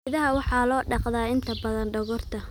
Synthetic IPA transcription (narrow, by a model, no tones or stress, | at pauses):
ðɐɦɐwɑħɑːlɔːɖɑqðaːɪnt̪ʰɐbɐðɐnɖɐɣɔrt̪ʰɐ